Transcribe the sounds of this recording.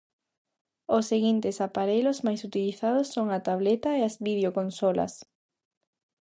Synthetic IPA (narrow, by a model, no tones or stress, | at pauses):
osːeɣint̪ɪsapaɾejlozmajsut̪iliθaðʊsːoŋat̪aβ̞let̪aeazβiðeokonsolɐ̰s